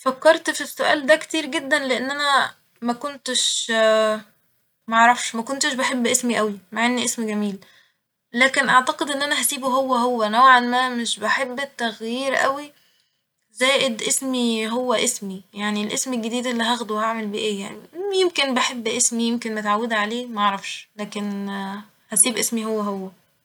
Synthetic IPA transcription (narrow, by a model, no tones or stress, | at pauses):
fækːɑɾˤt̪fisːoʔæ̰ːld̪ækt̪iːɾɡed̪ːænleʔenːʔænæ | mækont̪eʃ | mæʔʕɾˤɑfʃmækont̪eʃbeħebːʔesmiʔæwimaʕenːiʔesmiɡæmiːl | læːkenʔaʕt̪ɑqed̪ʔenːʔænæhæsiːboɦowːæɦowːænæwʕanmæmeʃbeħebːet̪ːæɣjiːɾʔæ̰wi | zæːʔed̪ʔesmiɦowːæʔesmijaʕnilʔesmelɡed̪iːd̪ʔelːiɦæɣd̪uwhaʕmelbiʔeːjaʕnijemkenbeħebːʔesmijemkenmet̪ʕawːed̪ʕaleːmæʔɑʕɾˤɑfʃlæːken | hæsiːbʔesmiɦowːæɦowːæ